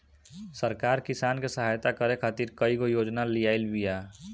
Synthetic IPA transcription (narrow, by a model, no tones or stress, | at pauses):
səɾkaːɾkisaːnkesəɦajt̪akəɾekʰaːt̪iɾkəiɡojoːd͡ʒnalijaːɪlbija